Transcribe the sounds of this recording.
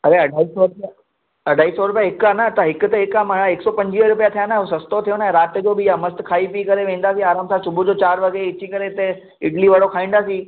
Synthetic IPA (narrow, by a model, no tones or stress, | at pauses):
ɐɾeɐɖʱaːisɔːɾʊpja | ɐɖʱaːisɔɾʊp̬ijaɦɪkaːnat̪ɐɦɪkʊt̪ɐɦɪkaːmaɽ̃aɪksɔpɐ̃ɲd͡ʑiəɾʊpijat̪ʰijanaɦosɐst̪ot̪ʰijonɛ̃ɾaːt̪d͡ʑoːbɪjamɐst̪kʰaːipikɐɾeʋẽːn̆d̪aːsĩaːɾaːmsasʊbʱud͡ʑoːt͡ɕaːɾʋɐɡeɪt͡ɕikɐɾet̪e | ɪʈliʋɐɽokʰaːĩːnd̪aːs̬ĩ